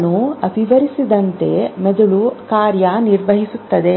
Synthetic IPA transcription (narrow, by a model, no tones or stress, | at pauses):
nuɐbʱiʋɐɾisid̪ɐnt̪e̞med̪uɭukaːɾjaniɾʋɐɦisut̪ːɐd̪e̞